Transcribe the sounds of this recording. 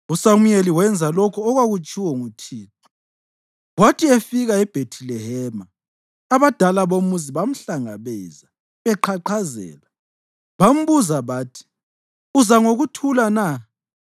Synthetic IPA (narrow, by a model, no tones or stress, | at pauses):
usamujeliwɛnd͡zʱalɔkʰɔːɣwaɣut͡ʃʼiwɔŋutʰiːtʰɔ̥ | watʰiefiɣaɛb̥ʱetʰilɛhɛmaː | βad̥ʱalaβomuziβam̩ɬaŋa̰βɛːza | βɛǃʰaǃʰazɛ̰ːla | βam̩βuzaβaːtʰi̥ | uzaŋoɣutʰulana